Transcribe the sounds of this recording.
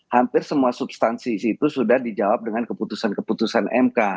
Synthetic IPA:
hampɪrsəmuasubst̪ansisit̪usudahdid͡ʒawap̚dəŋankəput̪usankəput̪usanʔɛ̰mka

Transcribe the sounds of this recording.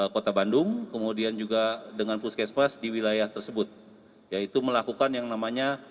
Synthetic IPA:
kot̪abandʊŋkəmudiand͡ʒuɡadəŋanpuskɛspasdiwilajaht̪ərsəbʊt̪̚ | jait̪uməlakukanjaŋnamaɲa

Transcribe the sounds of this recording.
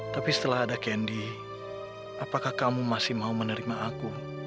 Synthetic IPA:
t̪apisə̥t̪əlaɦadakɛndi | apakahkamumasɪhmaumənəɾimaʔaku

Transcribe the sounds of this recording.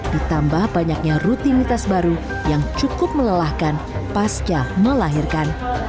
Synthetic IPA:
d̥it̪ambahbaɲak̚ɲarut̪init̪asbaɾu | jaŋt͡ʃukʊp̚mələlahkan | past͡ʃaməlaɦirkan

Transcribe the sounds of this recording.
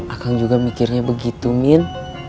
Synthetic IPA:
ʔakaŋd͡ʒuɡamikɪrɲabəɡit̪umɪn

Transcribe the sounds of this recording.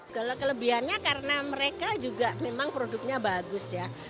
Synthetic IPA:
kəlkələbiɦanɲakaɾənaməɾekad͡ʒuɡaʔmemaŋpɾodʊk̚ɲabaɡʊsja

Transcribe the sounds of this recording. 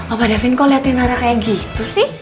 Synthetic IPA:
ɔbadafinkɔliat̪inaɾakajaɡit̪usɪh

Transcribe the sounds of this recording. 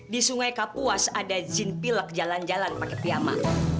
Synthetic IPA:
disuŋajkapuasadad͡ʒinpilək̚d͡ʒaland͡ʒalanpakɛp̪iama̰

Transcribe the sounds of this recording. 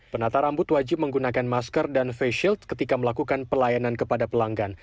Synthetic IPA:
pənat̪aɾambʊt̪wad͡ʒɪp̚məŋɡunakanmaskərdanfeʃilt̪̚kət̪ikaməlakukanpəlajanankəpadapəlaŋɡan

